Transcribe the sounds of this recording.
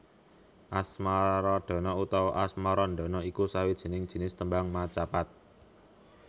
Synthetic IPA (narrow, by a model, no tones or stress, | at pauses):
ʔasmaɾɔɖ̪̥ɔ̤nɔut̪ɔwʔasmaɾɔnd̪ɔ̤nɔikusawid̥ʒ̥i̤nɪŋd̥ʒ̥i̤nɪst̪əmbaŋmat͡ʃapat̪̚